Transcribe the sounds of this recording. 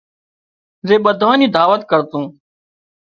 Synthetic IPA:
zeːɓəd̪ʱaːnĩːd̪aːʋət̪kəɾt̪ũː

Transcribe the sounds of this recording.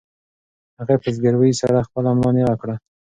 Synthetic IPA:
haɣapezɡaɾwəjsaɾaxpəlamlɑnewakɽa

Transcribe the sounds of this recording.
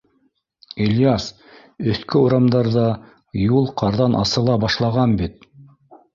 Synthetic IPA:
ilʲjas | ɵ̆θkɵuɾɑmd̪ɑɾðɑ | julˠqʰɑɾðɑnʔɑ̰sɤ̆lˠɑbɑʃlˠɑʁɑnbit̪̚

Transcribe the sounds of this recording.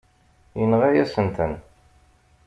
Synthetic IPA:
jənʁæjæsənt̪ən

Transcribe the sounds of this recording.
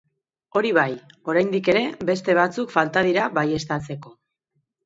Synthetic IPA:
o̞ɾiβ̞ajo̞ɾajnd̪ike̞ɾe̞be̞st̪e̞β̞at͡sukfalt̪að̞iɾaβaje̞st̪at͡se̞ko̞

